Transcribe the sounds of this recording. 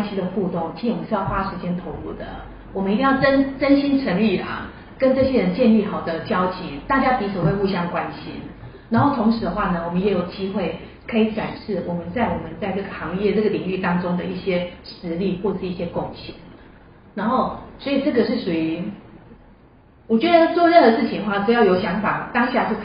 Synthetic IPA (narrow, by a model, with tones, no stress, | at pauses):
nɕi˥d̪ə˨xu˥˧t̪ʊ˥˩ŋʰi˥˩˥ʂ̩˥˧jɑ˥˩xwa˥ʂɻ̩˧˥t͡ɕjɛ˥nt̪ʰo˧˥ʊlṵ˥˩d̪ə̰˩ | wɔ˨˩mə˦i˧t̪i˥˧ŋjɑ˥˩ə˥nʈ͡ʂə˥nɕi˥nʈ͡ʂʰə˧˥ŋy˥˩a̰˩ | kə˦˥nʈ͡ʂɤ˥˩ɕjɛ˥ɻə˧˦nt͡ɕjɛ˥˧nli˥˩xɑ˨˩ʊd̪ə˦t͡ɕjɑ˥ʊt͡ɕi˨˦t̪a˥˩t͡ɕja˥p̪i˧˥t͡sʰu˨˩xwe˥˧ɪu˥˧ɕ̬jɑ˥˩ŋkwa˦˥nɕḭ˦na˧˥nxo˥˩ʊt̪ʰʊ˧˥ŋʂɻ̩˧˥d̪ə˧xwa˥˩nə˩wɔ˨˩mə˦njɛ˧˥jo˨˩ʊt͡ɕi˥xwe˥˩ɪ | kʰɤ˧˥i˨˧˦ʈ͡ʂwa˨˩nʂɻ̩˥˩wɔ˨˩mə˨˦nt͡sa˥˩ɪwɔ˨˩mə˦nt͡sa˥ɪʈ͡ʂɤ˥˩ɡə˩xɑ˧˥ŋjɛ˥˧ʈ͡ʂɤ˥˩ɡə˩li˨˩ŋy˥˩t̪ɑ˥ŋʈ͡ʂʊ˥ŋd̪ə̰˨i˥˩ɕjɛ˥ʂɻ̩˧˦li˥˧xwɔ˥˩ə˨˩ʂ̩˥˧i˥˩ɕjɛ˥kʊ˥ŋɕjɛ̰˨˩˦n | na˧˥nxo˥˩ʊswɔ˧˥i˨˩ʈ͡ʂɤ˥˩ɡə˨ʂɻ̩˥˩ʂu˨˩y˧˦ | wɔ˨˩t͡ɕɥɛ˧˦˥d̪ə˧t͡swɔ˥˧ɻə˥˩nd̪ə˩ʂɻ̩˥˩t͡ɕʰi˧˦nə˧xwa˥˩ʈ͡ʂ̩˨˩jɑ˥˩ʊjo˧˥ʊɕjɑ˧˥ŋfa˨˩t̪ɑ˥ŋɕja˥˧ʂɻ̩˥˩kʰ